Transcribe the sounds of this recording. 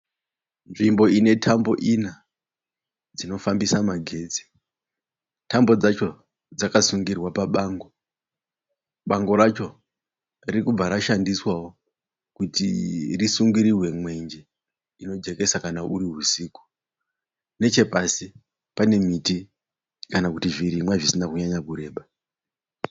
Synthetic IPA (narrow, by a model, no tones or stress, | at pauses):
nʐimbo̞ine̞tʰambo̞ʔina | d͡zino̞fambisamaɡʱe̞ːd͡zi̥ | tambo̞d͡zat͡ʃo̞ | d͡zakasuŋɡirwapaɓaŋɡo̞ | ɓaŋɡo̞ɾat͡ʃo̞ | ririkub͡vaɾaʃandiswawo | kutirisuŋɡiɾirwe̞mwe̞ɲd͡ʒe̞ | ino̞d͡ʒe̞ke̞sakanaʔuɾiɦusiːku̥ | ne̞t͡ʃe̞pasi | pane̞miti | kanakutiviɾimwaʐisinakuɲaɲakuɾe̞ːɓa